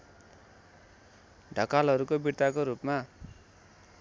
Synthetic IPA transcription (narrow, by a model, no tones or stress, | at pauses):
ɖʱʌkalɦʌɾukobiɾt̪akoɾupma